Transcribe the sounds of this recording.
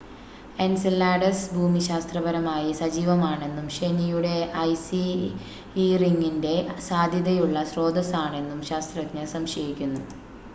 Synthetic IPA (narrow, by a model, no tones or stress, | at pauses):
ensilːaːɖɐsbʱuːmiɕaːst̪rɐbɐɾɐmaːjisɐd͡ʑiːʋɐmaːɳe̞nːumɕe̞nijuɽe̞ʔɐjsi | iriŋɡinde̞saːd̪ʱjɐðɐjuɭːɐɕro̞ːd̪ʱɐsaːɳe̞nːumɕaːst̪rɐɲːɐsɐmɕɐjikʲːunːu